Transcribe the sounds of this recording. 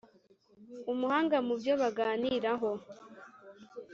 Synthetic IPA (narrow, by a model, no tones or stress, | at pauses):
umuhaːŋɡamubjo̞βaɡaːniɾaɦo